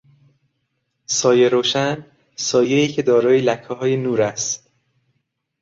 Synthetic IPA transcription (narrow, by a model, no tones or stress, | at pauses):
sɒːje̞ɾoːʃæn | sɒːjeiːcʰe̞d̪ɒːɾɒːjelækʰːɒɦɒːjenuːɾæst̪